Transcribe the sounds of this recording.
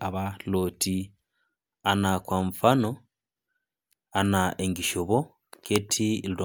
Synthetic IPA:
aβaloːtʰi | anakwaɱfano | anaeŋɡiʃoβo | kʰetʰilda

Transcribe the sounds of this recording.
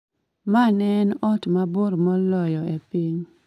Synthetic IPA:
manɛnɔtmaboɾmɔlɔjɔepiɲ

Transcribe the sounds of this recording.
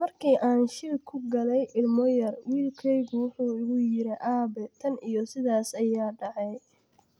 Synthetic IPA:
mɐrkʰiːʔaːnʃɪɾkʰʊɡɐlɛjʔɪlmɔjɐrwiːlkʰɛjɣʊwʊħuːɪɣʊjɪɾɛʔaːbɛt̪ʰɐnijɔsɪðaːsɐjaːɖɑʕɛj

